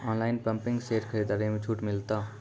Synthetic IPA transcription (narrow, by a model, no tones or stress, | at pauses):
ɔːnlaːɪnpə̃mpɪ̃ŋɡseːɾkʰəɾid̪aːɾimẽt͡ʃʰuːʈmɪlt̪aː